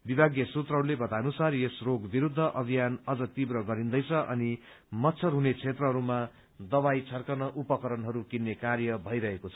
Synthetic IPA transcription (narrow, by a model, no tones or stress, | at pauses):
bibʱaɡjʌsut̪rʌɦʌɾulebʌt̪anusarjesroɡbiɾud̪ʱːʌʔʌbʱijanʌd͡zʌt̪ibɾʌɡʌɾind̪ʌjt͡sʰʌʔʌ̰ni | mʌt̪sʰʌrɦunet͡sʰet̪rʌɦʌɾuma | d̪ʌbajt͡sʰʌrkʌnʌʔupʌkʌɾʌnɦʌɾukinːekarjʌbʱʌjɾʌɦekot͡sʰʌ̥